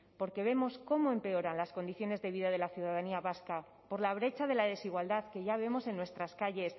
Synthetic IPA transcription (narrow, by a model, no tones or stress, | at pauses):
po̞ɾke̞β̞e̞mo̞sko̞moe̞mpe̞o̞ɾanlasko̞nd̪iθjo̞ne̞zðe̞βiðaðe̞laθjuðaðaniaβaska | po̞ɾlaβ̞ɾe̞t͡ʃaðe̞laðe̞siɣwald̪aðke̞ʝaβe̞mo̞se̞nːwe̞st̪ɾaskaʝe̞s